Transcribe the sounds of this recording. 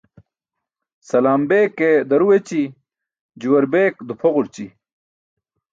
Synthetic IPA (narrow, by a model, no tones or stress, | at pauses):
sɐlaːmbeːked̪ɐɾuwet͡ɕi | d͡ʑuwɐɾbeːkd̪upʰoʁuɾt͡ɕi